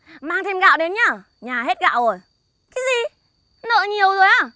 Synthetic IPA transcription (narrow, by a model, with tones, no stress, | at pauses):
maː˧ŋt̪ʰe˧mɣa̰ː˧˨wɗe˨˦nɲaː˧˩ | ɲaː˨˩ɦe˦˥t̚ɣa̰ː˧˨wzo˨˩j | kaː˨˦jzi˨˩ | nə̰ː˧˨ɲi˨˩əwzo˨˩jʔaː˨˧˩